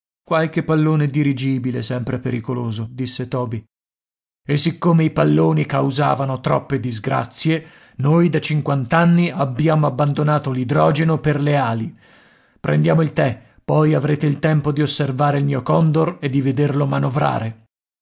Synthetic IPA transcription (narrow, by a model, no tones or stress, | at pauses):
kwalkepːalːoːned̪iɾid͡ʒiːbilesɛmpɾepeɾikoloːzod̪isːet̪ɔːbi | esikːomeipalːoːnikawza̰ːvanot̪ɾɔ̰pːed̪izɡɾa̰t̪sːje | nojd̪at͡ʃiŋkwant̪anːiabːjaːmoabːand̪onaːt̪olid̪ɾɔːd͡ʒenoperleaːli | pɾʔḛnd̪jaːmoilt̪ɛ | pːɔjavɾeːt̪eilt̪ɛmpod̪iosːervaːɾeilmiːokɔnd̪ored̪ːived̪erlomanovɾa̰ːɾe